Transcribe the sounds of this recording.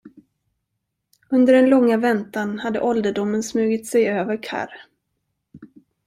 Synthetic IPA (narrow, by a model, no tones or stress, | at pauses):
ɵnd̪əɖɛnlɔŋːavɛnt̪anhad̪ːə̰ʔɔld̪əɖʊmːənsmʉ̟ːɡɪt̪sɛjøːvəɾkʰa̰ɾ